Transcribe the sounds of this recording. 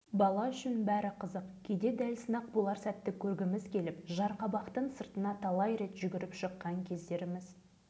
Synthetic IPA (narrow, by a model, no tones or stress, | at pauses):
bɑlˠɑʏʃɪnbæɾɪqʰəzəqkʲʰed̪e̞d̪ælsənɑq̚bolˠɑɾsæt̪ːɪkʲʰɵɾɡʲɪmɪzkʲʰe̞lɪpʒɑɾqɑbɑqt̪əɴsəɾt̪ənɑt̪ʰɑlˠɑjɾe̞t̪ʒʏɡʲɪɾɪpʃəqːɑŋkʲʰe̞zd̪e̞ɾɪmɪz